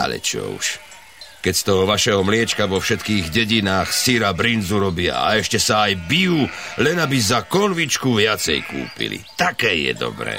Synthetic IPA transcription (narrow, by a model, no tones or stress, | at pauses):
a̰lɛ̰t͡ʃɔ̰ṵʃ | kɛcst̪ɔɦɔʋaʃɛɦɔmlɪɛt͡ʃkaʋɔfʃɛt̪kiːɣɟɛɟinaːxsiɾabɾinzuɾɔbɪa̰a̰ɛʃcɛsaːjbijuː | lɛnabizakɔnʋit͡ʃkuʋɪat͡sɛ̰jkṵːpḭlḭt̪akɛːjɛ̰d̪ɔ̰bɾɛ̰ː